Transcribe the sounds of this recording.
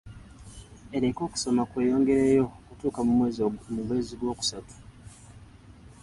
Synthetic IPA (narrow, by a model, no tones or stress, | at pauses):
e̞ɾeko̞ːku̥so̞makwe̞ːjo̞ːŋɡe̞ɾejo̞kutuːkamumwe̞ːzmuβwe̞ːziɡwo̞ːku̥satu̥